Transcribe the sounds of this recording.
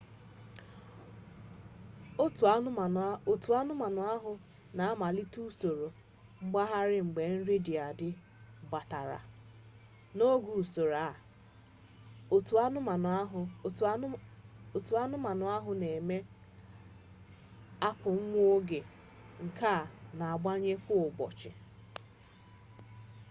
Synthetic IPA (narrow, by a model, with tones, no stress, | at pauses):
o˨tu˨a˦nʊ˦ma˨nʊ˨˦a˦ɦʊ˨ | na˨a˦ma˨li˦tu˦so˨ɾo˨ | ŋ͡m̩˦ɡ͡ba˦ɦa˦ɾɪ˦ŋ͡m̩˨ɡ͡be˨n̩˦ɾi˦dɪ˨a˨dɪ˦ | ba˨ta˨ɾa̰˨ | no˦ɡu˨so˨ɾa˨ | t | o˨tu˨a˦nʊ˦ma˨nʊ˨a˦ɦʊ˨ne˨me˦ | a˦kʊ˨ŋ̩˦ŋʷ˦o˦ɡe˨ | ŋ̩˨kʰa˦˨na˨a˨ɡ͡ba˦ɲe˦fʊ˦ʊ˨ɡ͡bɔ̰˨t͡ʃɪ̰˨